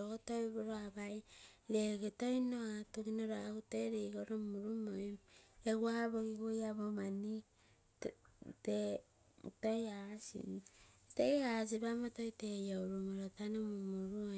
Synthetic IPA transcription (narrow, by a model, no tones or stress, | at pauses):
ootojβoɾoaβajɾeɡetojnoatuɡinoɾoauteɾiɡoɾomuɾumojeɡwahaβoɡiɡojaβomani | te | tojasḭteɡeas̬iβamotojtejowɾumoɾotanomumuɾuo